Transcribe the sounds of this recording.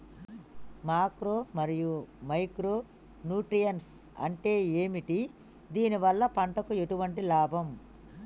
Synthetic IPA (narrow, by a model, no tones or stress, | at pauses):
maːkɾoːmɐɾijumɐjkɾoː | nuːʈɾijɐns | ɐ̰ɳʈe̞ːeːmiʈi | d̪iːniʋɐlːɐpɐɳʈɐkue̞ʈuʋɐɳʈilaːbʱɐm